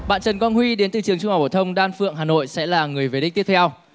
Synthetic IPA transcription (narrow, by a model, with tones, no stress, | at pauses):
ɓa̰ː˧˨nt͡ɕə˨˩nkɔ˧nhwi˧ɗe˨˦nt̪ɨ˨˩t͡ɕɨ˨˩əŋt͡ɕʊ˧ŋ͡ma˨˩wɓoː˧˩t̪ʰə˧wŋ͡mɗaː˧nfɨ̰˧˨əŋɦaː˨˩no̰˧˨jsɛ̰˧˥laː˨˩ŋɨ˨˩əjve˨˦ɗï˦˥t̪i˦˥əp̚t̪ʰɛ˧w